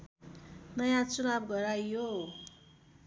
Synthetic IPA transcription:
nʌjãt͡sunabɡʌɾajjo

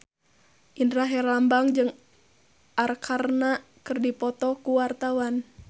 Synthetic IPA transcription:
ʔindɾaɦɛrlambaŋd͡ʒɨŋ | ʔarkʰarnakɨrdipɔt̪ɔkuwart̪awan

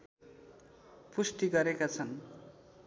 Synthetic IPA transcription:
pusʈ̪iɡʌɾekat͡sʰʌn

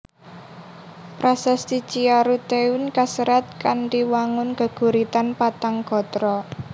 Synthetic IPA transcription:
pɾʔasɛst̪i̥t͡ʃiaɾut̪eunkasəɾat̪̚kanʈiwaŋʊnɡ̥ə̤ɡ̥ṳɾit̪anpat̪aŋɡ̥ɔ̤t̪ɾɔ

